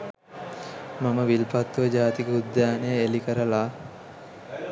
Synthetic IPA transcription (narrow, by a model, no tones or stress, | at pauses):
maməʋilpat̪ːuʋəd͡ʒaːt̪ikud̪jaːnejəelikəɾəlaː